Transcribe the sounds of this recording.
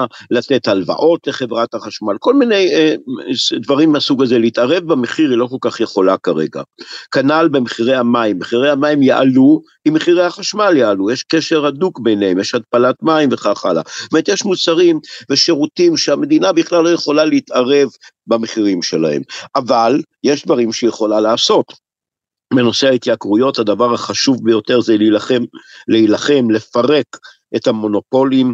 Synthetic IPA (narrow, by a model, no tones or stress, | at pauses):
late̞thalva̰ʔo̞tleχe̞vʁathaχaʃmalko̞lminej | d̪vaʁimːasuɡazeleitaʁe̞vbameχiʁilo̞ko̞lkaχjeχo̞lakaʁḛɡa̰kanalbe̞meχiʁejamaimːeχiʁejhamaimjaʔalu | imːeχiʁejhaχaʃmaljaalujeʃkeʃe̞ʁadukbejneemjeʃhat̚palatmaimveχaχa̰la̰bemet̪jeʃmut͡saʁimveʃe̞ʁutimʃeame̞d̪inabiχlalːo̞je̞χo̞laleit̪aʁe̞v | bameχiʁimʃela̰he̞̰mʔavaljeʃd̪vaʁimʃejeχo̞lalaːso̞t̪ | beno̞seait̪jakʁujo̞thad̪avaʁhaχaʃuvbejo̞te̞ʁzelilaχemleilaχe̞mle̞faʁe̞k | ʔethamo̞no̞po̞lim